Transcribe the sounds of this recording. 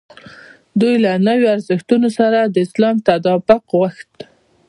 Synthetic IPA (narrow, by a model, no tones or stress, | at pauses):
d̪ujlanəwoaɾzəxt̪unosaɾad̪əɪslɑmt̪ad̪ɑbɪqwaxt̪